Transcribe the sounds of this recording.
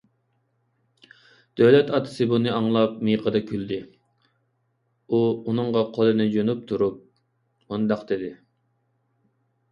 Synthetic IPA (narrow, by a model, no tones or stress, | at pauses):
d̪̥øwlɛt̪ɑt̪ʰɨ̥sɨbunɨɑŋlˠɑp̚mijqʰəd̪ɑkʲʰyld̪ɪ | uunɨŋʁɑqʰolˠɨnɨd͡ʒonup̚t̪ʰuɾup̚ | ond̪ɑqd̪̥ɪd̪ɪ